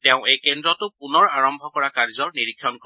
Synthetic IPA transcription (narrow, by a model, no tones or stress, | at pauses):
teʊ̃ejkendɹɔtʊpunɔɹaɹɔmbʱɔkɔɹakaɹzɔɹniɹikʰːjɔnkɔ